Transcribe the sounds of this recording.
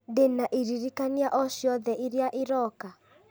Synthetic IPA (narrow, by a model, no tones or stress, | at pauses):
denaʔiɾiɾikaniaʔɔʃiɔðɛʔiɾjaʔiɾɔka